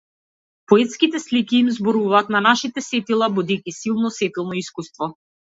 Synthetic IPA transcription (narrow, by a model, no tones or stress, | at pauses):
pɔɛt̪skit̪ɛslikʲiːmzbɔɾuvaːt̪nanaʃit̪ɛsɛt̪ilˠabud̪ikʲisilˠnɔsɛt̪ilˠnɔiskust̪vɔ